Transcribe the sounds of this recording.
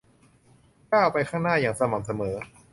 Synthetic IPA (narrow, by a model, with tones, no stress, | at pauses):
kaː˥˩wpa˧jkʰaː˥˩ŋnaː˥˩jaː˨˩ŋsa˧maː˩˦ms̬a˧mɤː˩˦